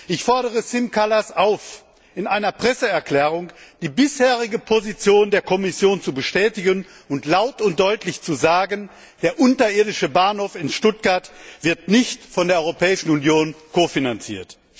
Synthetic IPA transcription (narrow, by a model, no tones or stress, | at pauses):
ʔɪçfɔɐɾəʁ̞əsɪmkʰalasaʊf | ʔɪnʔaɪnɐpʁ̥ɛsəɛɐkl̥ɛːʁ̞ʊŋd̥iːbɪsheːʁ̞ɪɡəpʰozit͡sjoːndeːɐkʰɔmɪsjoːnt͡subəʃtɛːtɪɡən | ʊntlaʊtʊnt̚d̥ɔʏtʰlɪçt͡suzaːɡən | d̥eːɐʔʊntɐʔɪɐdɪʃəbaːnhoːfɪnʃtʊt̚ɡ̥aɐtv̥ɪɐtnɪçtfɔndeɐɔʏʁopɛːɪʃn̩unjoːnkoːfinant͡sḭːɐt